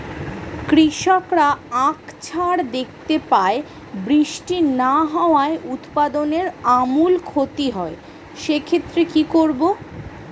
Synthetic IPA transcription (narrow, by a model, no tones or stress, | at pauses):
kɾiʃɔkɾaãkt͡ɕʰaɾd̪ek̚ʰt̪epae | bɾiʃʈinaɦɔoaeʔut̪pad̪oneɾamulkʰot̪iɦɔe | ʃekʰet̪ːɾekikoɾbo